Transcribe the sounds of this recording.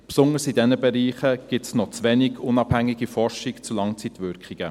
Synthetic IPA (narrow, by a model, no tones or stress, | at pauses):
psʊnəɾsidɛnəbɛɾiːχəɡ̥ɪtsnɔt͡sʋɛniɡ̥ʊnɑb̥hæŋːiɡ̥ifɔrʃɪkt͡sulɑŋt͡sitʋʏɾkχiɡ̥ə